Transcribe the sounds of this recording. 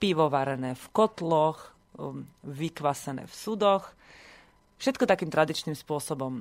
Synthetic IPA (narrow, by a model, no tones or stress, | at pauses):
piʋɔʋaɾɛnɛːfkɔt̪lɔx | ʋikʋasɛnɛ̰ːfsud̪ɔx | fʃɛt̪kɔt̪akiːmt̪ɾad̪it͡ʃnimspʊɔsɔbɔm